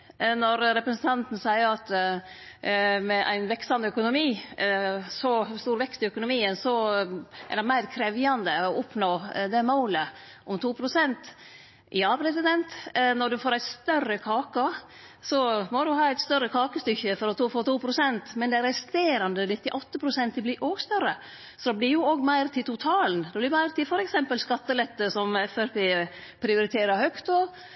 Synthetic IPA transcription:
nɔɾɾɛpɾəsn̩t̪ʰɑnt̪n̩sæɪəɾɑt̪ | mɛʔæ̰ɪnʋɛksɑnd̪əœkʊnʊmiː | sɔst̪uːɾʋɛkst̪ɪœkʊnʊmiːənsɔʔæ̰ɖɛmæɪɾkʰɾɛʋjɑnd̪əɔʊpnoːd̪ɛmoːlə | ʔɔmt̪ʰuːpʰɾʊsɛnt̪ | ʔɪɑːpɾɛsɪd̪ɛnt̪nɔɖʉfoːɾæɪst̪œrəkʰɑːkə | sɔmɔd̪ʉɦɑːæɪt̪st̪œɾːəkʰɑːkəst̪ʏçːəfɔɾɔt̪ʰoːfoːt̪uːpʰɾʊsɛnt̪mɛnd̪ɛɾɛst̪eːɾɑnd̪ənɪt̪ːɪʔɔt̪ːəpʰɾʊsɛnt̪̚d̪ɪblɪɾʔoːɡst̪œɾə | sɔd̪ɛblɪɾjʊoːɡmæɪɾt̪ʰɪlt̪ʰʊt̪ʰɑːlnd̪ɛblɪɾmæɪɾt̪ʰɪfɔɾɛksɛmpəlskɑt̪ːəlɛt̪ːəsɔmɛfæɾpʰeːpʰɾɪʊɾɪt̪ʰeːɾɑhœkt̪o

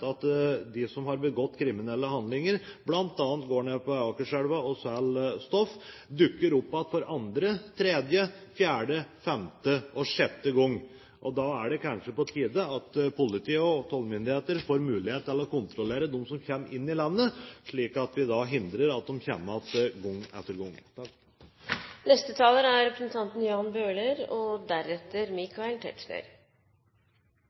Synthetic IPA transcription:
ɑt̪d̪ɪsɔmhɑɾbəɡɔt̪ːkʰɾɪmɪnɛlːəhɑnd̪lɪŋəɾblɑnt̪ɑːnt̪ɡoːɳeːpɔɑkəʂɛɽʋɑɔsælst̪ɔfːd̪ʉkːəɾʊpːɑt̪fɔɾɑnd̪ɾət̪ʰɾeːd̪jəfjæːɖəfɛmt̪əɔʂɛt̪ːəɡɔŋː | ʔɔd̪ɑæɖɛkʰɑnʂəpɔt̪ʰiːd̪əɑt̪pʰʊlɪt̪ʰiːəɔt̪ʰɔlmʏnd̪ɪheːt̪əɾfoːɾmʉːlɪheːt̪ːɪlɔkʊnt̪ɾɔleːɾəd̪ɔmsɔmçɛmʔɪnːɪlɑnːəʂɭiːkɑt̪ʋɪd̪ɑɦɪnd̪ɾəɾɑt̪̚d̪ɔmçɛmːɑt̪ɡɔŋːɛt̪ːəɾɡɔŋ | nɛst̪ət̪ʰɑːləɾæɾɛpɾəsnt̪ʰɑnt̪n̩jɑːnbøːɭəɾɔd̪æɾɛt̪ːəɾmɪkʰɑɛlt̪ʰɛ̰ʈʂnə̰ɾ

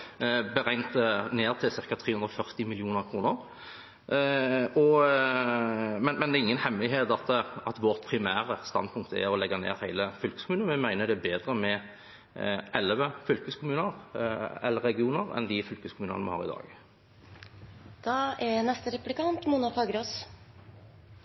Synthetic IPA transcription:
bəʁæɪnt̪əneːʁt̪ʰɪlsɪʁkɑt̪ʰɾeːhʉnd̪ɾɔfœʁt̪ɪmɪlɪuːnəʁkʰʁuːnəɾ | ɔ | mɛnmɛnd̪ɛːɪŋːənhɛmlɪɦeːt̪ɑt̪ɑt̪ʋɔʁt̪pʰʁɪmæːɾəst̪ɑ̰npʰʊŋk̚t̪əɛ̰ɾɔlɛɡːɑnḛːɾhæɪləfʏlkə̥skʊmʉːnənmɛmæɪnəd̪ɛbeːd̪ɾəmɛ | ʔɛlʋəfʏlkəskʰʊmʉːnəʁɛ̰lːəɾɛɡɪuːnəʁɛ̰nd̪ɪfʏlkəskʰʊmʉːnə̰nmɛ̰hɑ̰ːʁɪd̪ɑ̰ːɡ | d̪̥ɑːɛnɛst̪əɾɛplɪkɑnt̪munɑfɑːɡəɾos

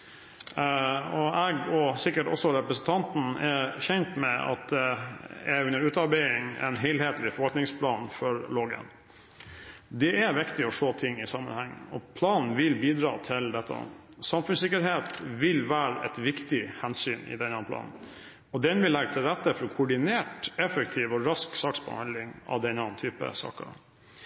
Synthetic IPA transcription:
ɔɛɡɔsɪkːəʈɔ̰sːɔɾɛpɾəsn̩t̪ʰɑnt̪n̩ɛçɛnt̪mɛɑ̰t̪̚d̪ɛɛʉnːəɾʉːt̪ɑɾbæɪɪŋɛ̰nɦɛɪlheːt̪lɪfɔɾʋɑlk̪nɪŋspʰlɑːnfɔɾloːɡə̰n | d̪ɛʔæʋɪkt̪ɪɔʂoːt̪ʰɪŋːɪsɑmə̰nhæŋːəɔpʰlɑːnn̩ʋɪlbiːd̪ɾɑːt̪ʰɪld̪ɛt̪ʰːə̰ | sɑmfʉnsɪkːəɾɦeːt̪ʋɪlʋæːɾəʔɛ̰t̪ʋɪkt̪ɪhɛnsyːnɪ̰d̪ɛnɑplɑ̰ːn | ɔd̪ɛnʋɪlːɛɡət̪ʰɪlɾɛt̪ːəfɔɾɔkʰʊʊɖɪneːʈɛfəkt̪ʰiːʋɔɾɑsksɑːksbɔ̰hɑ̰nd̪lɪŋɑ̰ʋd̪ɛnːɑnt̪ʰyːpə̰sɑ̰ːkə̰

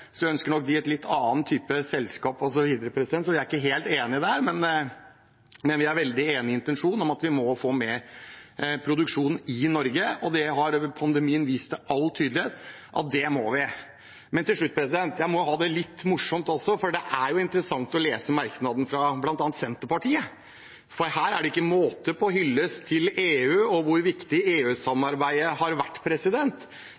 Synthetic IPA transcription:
sɔjæœnskəɳɔk̚ːd̪ɪɛt̪lɪt̪ʰːɑːnt̪ʰyːpəsɛlskɑːpɔs̬ɔʋiːd̪əɾəpʰɾɛsd̪ɛnsɔʋɪæɾɪkːəɦeːlt̪eːnɪɪd̪ɛhæːɾmɛn | mɛnʋɪæɾʋɛld̪ɪeːnɪɪnt̪ɛnʂuːnɔmɑt̪ʋɪmɔfoːmɛ | pʰɾʊd̪ʉkʂuːnn̩ɪnɔɾɡəɔd̪ɛɦɑɾpʰɑnd̪ɛmiːənʋiːst̪sæʔɑlːt̪ʰyːd̪lɪeːt̪ | ʔɑ̰t̪̚d̪ɛmɔʋɪ | mɛnt̪ɪlʂɭʉt̪̚ːpʰɾɛsɪd̪ɛnt̪jæɪmɔɦɑːd̪ɛlɪt̪ːmʊʂɔmt̪ɔsɔfɔɖɛʔæɾjʊɪnt̪əɾəsɑŋt̪ɔleːsəmæɾknɑd̪n̩fɾɑblɑnt̪ɑːnt̪sɛnt̪əɾpɑʈʰiːə | fɔɾhæːɾæɖɛɪkːəmoːt̪əpʰɔɔɦʏlːəst̪ʰɪleːʉːɔʋʊɾʋɪkt̪ɪeːʉːsɑmɑɾbæɪəɦɑɾʋæʈːpʰɾɛsɪd̪ɛnt̪

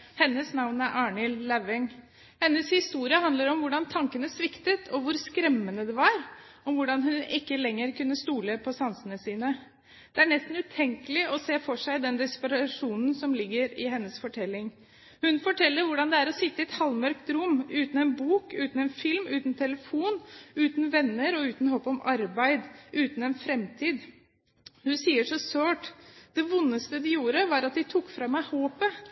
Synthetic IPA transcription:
hɛnːəsnɑʋnæɾʔɑːɳɪlːæʋɪŋ | hɛnːəshɪst̪uːɾɪəhɑnd̪ləɾɔmʋʊɖɑnt̪ʰɑŋkənəsʋɪkt̪ət̪ʰɔʋʊɾskɾɛmːənəd̪ɛʋɑɾɔmʋʊɖɑnɦʉnɪkːəlɛŋːəɾkʉnːəst̪uːləpʰɔsɑnsənəsiːnə | d̪̥ɛæɳɛst̪n̩ʉːt̪ʰɛŋkəlɪʔɔseːfɔʂæɪd̪ɛnd̪ɪspəɾɑʂuːnn̩sɔmlɪɡːəɾɪɦɛnːəsfɔʈʰɛlːɪŋ | hʉnfɔʈʰɛlːəɾʋʊɖɑnd̪ɛæɾɔsɪt̪ːəɪɛt̪hɑlmœɾkt̪ɾʊmːʉːt̪n̩ɛnbuːkʉ̰ːt̪n̩ɛnfɪlmʉːt̪nt̪ʰɛləfuːnʉːt̪n̩ʋɛnːəɾɔʉːt̪n̩hoːpɔmɑɾbæɪd̪ʔʉːt̪n̩ɛnfɾɛmt̪ʰiːd̪ | hʉnsiːəʂɔsøːʈd̪̥ɛʋʊnːəst̪əd̪ɪjuːɾəʋɑːɾɑt̪̚d̪ɪt̪ʰʊkːfɾɑmæɪhoːpə

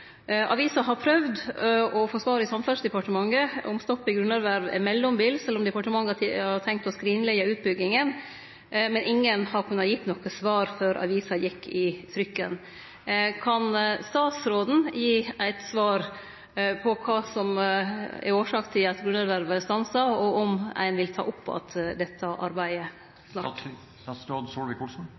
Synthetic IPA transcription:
ʔɑ̰ʋiːsɑɦɑɾpʰɾœʋd̪ɔfoːsʋɑːɾɪsɑmfœsd̪ɛpɑʈəmɑŋːəɔmst̪ɔpːɪɡɾʉnæɾʋæɾʋɛ̰mɛlːɔmbiːlsɛlːɔmd̪ɛpɑʈəmɑŋːəɑɾt̪ʰɛŋk̚t̪ɔskɾiːnlɛɪəʉːt̪̚bʏɡːɪŋən | mɛnʔɪŋːənhɑɾkʰʉnːɑjɪt̪ːnɔkəsʋɑːɾføːɾʔɑ̰ʋiːsɑjɪkʰːɪt̪ʰɾʏkːə̰n | kʰɑnst̪ɑːt̪sɾoːd̪n̩jiːæɪt̪sʋɑːɾ | pʰɔkʰɑːsɔm | ɛ̰ɾoːʂɑːkt̪ʰɪɑt̪ɡɾʉnəɾʋæɾʋəst̪ɑnsɑɔɔmæ̰ɪnʋɪlt̪ʰɑ̰ːʔʊpːɑ̰t̪d̪ɛt̪ʰːəʔɑ̰ɾbæɪə | snɑ | suɪkʰʊs

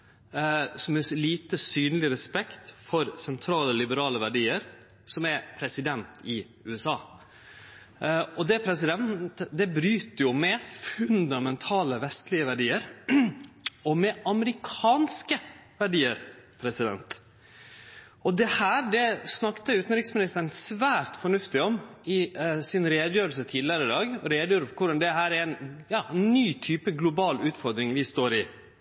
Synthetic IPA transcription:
sɔmɛsliːt̪əsyːnəlɪɾɛspɛkt̪fɔɾsɛnt̪ʰɾɑːləlɪbəɾɑːləʋæɖiːəɾ | sɔmɛpʰɾɛsɪd̪ɛnt̪ɪ | ʉːɛsɑː | ɔd̪ɛpʰɾɛsɪd̪ɛnt̪əd̪ɛbɾyːt̪əjʊmɛfʉnd̪ɑmɛnt̪ʰɑːləʋɛst̪lɪəʋæɖiːəɾ | ɔmɛɑməɾɪkʰɑːnskəʋæɖiːəɾpʰɾɛsɪd̪ɛ̰nt̪ | ɔd̪ɛhæːɾɖɛsnɑkt̪əʉːt̪n̩ɾɪksmɪnɪst̪əɾnsʋæːɾt̪fɔɳʉft̪ɪɔmɪsɪnɾeːd̪əjøːɾəlsət̪ʰiːd̪ɪəɾəɪd̪ɑːɡɔɾeːd̪əjøːɾkʰʊɖɑnd̪ɛhæːɾɛɾɛnjɑːnːyːt̪ʰyːpəɡlʊbɑːlʉːt̪fɔɾd̪ɾɪŋʋɪst̪oːɾɪ

